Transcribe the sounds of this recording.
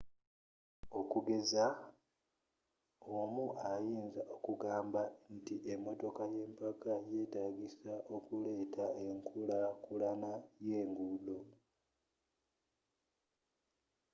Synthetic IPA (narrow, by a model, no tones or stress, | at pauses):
o̞kuɡe̞za | omuʔajiːnzaʔo̞kuɡaːmbantiʔemːo̞to̞kaje̞ːmpakaje̞ːtaɡisaʔo̞kule̞ːtʰae̞ŋkʰulakulanaje̞ːŋɡulo̞